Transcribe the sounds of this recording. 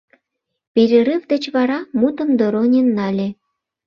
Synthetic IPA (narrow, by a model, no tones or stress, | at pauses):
pʲeɾʲeɾɨvd̪ĕt͡ɕβɑɾɑmut̪ə̆md̪ŏɾonʲenːɑlʲe